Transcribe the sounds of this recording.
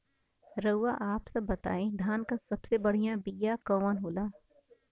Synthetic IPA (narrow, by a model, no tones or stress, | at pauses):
ɾəʋaʔaːpsɐbːɐt̪a̰ːẽd̪ʱaːnkasɐbsebɐɽ̤ijãbijakɐʋanɦoːlaː